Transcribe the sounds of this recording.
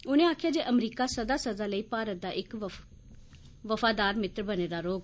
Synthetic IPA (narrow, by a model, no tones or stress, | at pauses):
ʊnẽːaːkʰjaːd͡ʒeːʔəmɾiːkaːsəd̪aːsəzaːləiːpaːɾət̪̚d̪aːʔɪk | ʋəfaːd̪aːɾmɪt̪ɾbəneːd̪aːɾoːɡ